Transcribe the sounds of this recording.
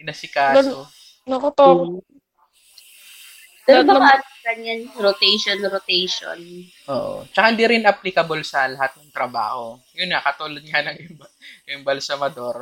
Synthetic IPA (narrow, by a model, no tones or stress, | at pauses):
nɐsɪkaːso | nɐkot̪oː | ɐnɐmaɡɐɲanɾot̪ejʃonɾot̪ɛjʃo̰n | ʔoːʔo̰t͡ʃɐkahɪnd̪iɾɪnʔɐplɪkɐbolsɐlɐɦat̪̚nɐŋt̪ɾɐba̰ːho̞ | jʊnŋakɐt̪uːlod̪̚ŋɐnɐŋʔɪmbɐɪmbɐlsɐmɐd̪oɾ